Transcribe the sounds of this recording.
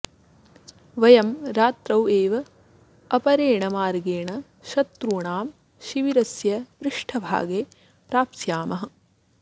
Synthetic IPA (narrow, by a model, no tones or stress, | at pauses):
ʋɐjɐmɾaːt̪ɾɐweːʋɐ | ɐpɐɾeːɳɐmaːɾɡeːɳɐ | ʃɐt̪ɾuːɳaːm | ʃiʋiɾɐsjɐʋɾɪʂʈʰɐbʱa̰ːɡeː | pɾaːpsjaːmɐɦɐ̆